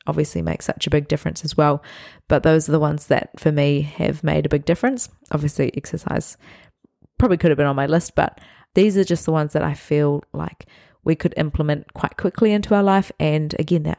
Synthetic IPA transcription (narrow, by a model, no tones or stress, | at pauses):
ɑbviɨslḭmḛɪksʌ̰t͡ʃɨbɪɡ̚dɪfɹɨ̰̃nsɨzwɛlˠb̥ʌt̪̚ðoʊzə˞ðəwʌ̃nzðɨ̰t̚fə˞miɨ̰vmḛɪɾɨbɪɡ̚dɪfɹɨ̃ns | ʔɑ̰bviɨsliʔɛksə˞sa̰ɪz̥ | pʰɹ̥ɑbəblikʰʊɾɨvbɨ̃nə̃nmaɪlɪst̚b̥ʌ̰t̪̚ | ðizə˞d͡ʒʌst̪̚ðəwʌ̃nzðɨɾʔa̰ɪfilˠla̰ɪk | wʔikʰɨɾɪ̰̃mpʰləmɨ̃nkʰw̥aɪt̚kʰw̥ɪkʰliɪ̃ntuaʊə˞laɪfʔɨ̃nɨ̰ɡɛ̃nðɨ̰